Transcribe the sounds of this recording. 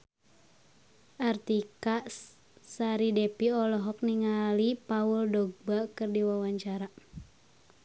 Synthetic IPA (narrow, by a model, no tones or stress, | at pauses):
ʔart̪ika | saɾidepiɔlɔɦɔk̚niŋalipauldɔɡ̚bakɨrdiwawaɲt͡ʃaɾa